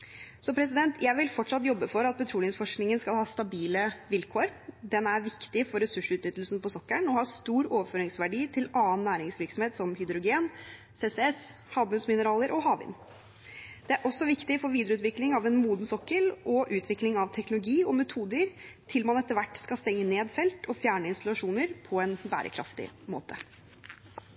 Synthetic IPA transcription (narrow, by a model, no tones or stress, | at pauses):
sɔpʰɾɛs̬ɪd̪ɛnt̪ʰjæɪʋɪlfɔʈːʂɑt̪jɔbːəfɔɾɑt̪̚pʰɛt̪ʰɾuːlɪŋsfɔʂknɪŋənskɑlhɑːst̪ɑbiːləʋɪlkʰoːɾd̪ɛnæɾʋɪkt̪ɪfɔɾɛsʉʂʉːt̪nʏt̪ːlsnpɔsɔkːəɳɔhɑːst̪uːɾoːʋəføːɾɪŋsʋæɖiːt̪ʰɪlɑːənːæːɾɪŋsʋɪɾksɔmheːt̪sɔmhʏd̪ɾʊɡeːn | seːsɛɛs | hɑːbmʉnsmɪnəɾɑːləɾʔɔɦɑːʋɪ̰n | d̪̥ɛæɾʔɔsːɔʋɪkt̪ɪfɔʋiːd̪əɾəʉːt̪ʋɪklɪŋɑʋɛnmuːd̪n̩sɔkːəlʔɔʔʉːt̪ʰʋɪklɪŋɑʋt̪ʰɛknʊlʊɡiːɔmɛt̪ʰuːd̪əɾt̪ʰɪlmɑnɛt̪ːəɾʋæʈːskɑlst̪ɛŋːəneːd̪fɛlt̪ɔfjæːɳəɪnst̪ɑlɑʂuːnəɾpʰɔɛnbæ̰ːɾʔə̰kʰɾɑ̰ft̪ɪ̰mo̰ːt̪ʰə